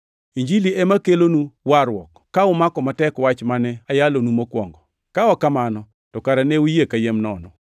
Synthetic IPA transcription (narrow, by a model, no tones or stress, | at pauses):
iɲd͡ʒiliemakelonuwaɾwɔkːaʊmakɔmatɛkwat͡ʃmanɛajalonumokwɔ̰ŋɡɔ | kaɔkamanɔ | tɔkaɾanɛujekajemnɔnɔ